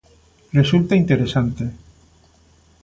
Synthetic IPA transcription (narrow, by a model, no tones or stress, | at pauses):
result̪aint̪eɾesant̪e